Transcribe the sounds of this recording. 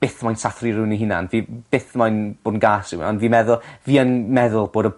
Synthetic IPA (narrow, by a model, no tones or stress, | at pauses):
b̥ɪθmajnsaθriɾɪwniɦɪna̰nviːb̥ɪθmajnb̥oːdn̩ɡaːsɪwnɔnviːmɛðʊlˠviːənmɛðʊlˠb̥oːdə